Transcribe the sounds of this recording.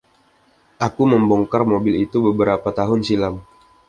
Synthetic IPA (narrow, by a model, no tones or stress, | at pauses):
ʔakuməmbɔŋkarmobɪlit̪ubəbəɾapat̪aɦʊnsilam